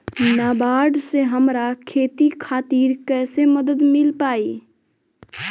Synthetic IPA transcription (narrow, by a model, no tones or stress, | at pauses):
naːbaːɖseɦɐmɾakʰeːt̪ikʰaːt̪iːɾkɛːseməd̪əd̪mɪlpaːiː